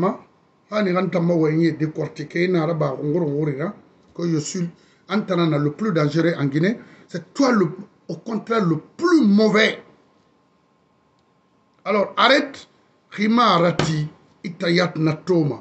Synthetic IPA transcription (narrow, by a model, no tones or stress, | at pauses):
ma | kanikantamːawaɲedekɔɾtikeinaɾabakuŋɡuɾkuɾiɾa | kojosil | antananalopludãnd͡ʒeɾeʔaŋɡine | setualo | okõntɾaloplumovɛ | aloɾaɾet | kimaɾati | itajatnatoma